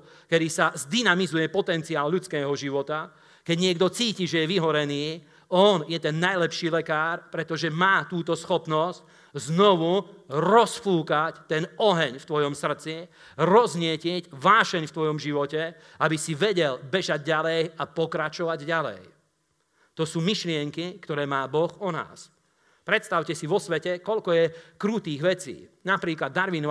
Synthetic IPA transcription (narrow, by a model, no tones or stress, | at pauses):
kɛd̪isazd̪inamizujɛpɔt̪ɛnt͡siaːlʎut͡skɛːɦɔʒiʋɔt̪a | kɛɟɲɪɛɡd̪ɔt͡siːciʒɛjɛʋiɦɔɾɛniː | ɔnjɛt̪ɛnːajlɛpʃiːlɛkaːɾpɾɛt̪ɔʒɛmaːt̪uːt̪ɔsxɔpnɔsc | znɔʋuɾɔsfuːkact̪ɛnɔɦɛɲft̪ʋɔjɔmsr̩t͡si | ɾɔzɲɪɛcɪɛcʋaːʃɛɲft̪ʋɔjɔmʒiʋɔcɛ | abisiʋɛɟɛlbɛʒaɟɟalɛjapɔkɾat͡ʃɔʋaɟɟalɛ̰j | t̪ɔsuːmiʃlɪɛŋkikt̪ɔɾɛːmaːbɔxɔna̰ːs | pɾɛt̪st̪aʊcɛsiʋɔsʋɛcɛkɔʎkɔjɛkɾuːt̪iːɣʋɛt͡sḭːnapɾiːklad̪ːaɾʋin